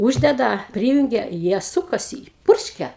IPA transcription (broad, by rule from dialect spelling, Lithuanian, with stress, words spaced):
ˈuːʒʲdʲɛdɐ ˈpʲrʲiːjʊŋʲɡʲɛ ˈjiɛ ˈsʊkɐsʲɪ ˈpʊrʲʃʲkʲɛ